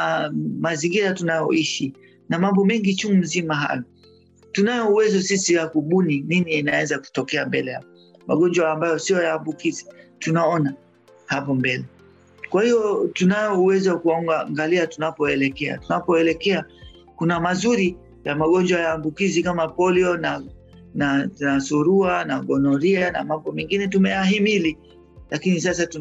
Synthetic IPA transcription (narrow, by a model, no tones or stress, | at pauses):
maziŋɡiɾatunajɔ̰iʃi | namambɔmɛŋɡit͡ʃumuzimaɦa̰jɔ | tunajɔuwɛzɔsisiwakuɓunininiinaɛzaku̥tɔkɛambɛlɛja̰pɔ | maɠɔnd͡ʒwaːmbajɔsijɔjaːmbukizitunaɔna | hapɔmbɛlɛ | kwahijɔtunajɔuwɛzawakuaŋɡaŋɡaliatunapɔɛlɛkɛa̰tunapɔɛlɛkɛa | kunamazuɾi | jamaɠɔɲd͡ʒwajaːmbukizikamapɔliɔna | nanasuɾuanaɠɔnɔɾiana̰mambɔmɛŋɡinɛtumɛjahimili | lakinis̬as̬atu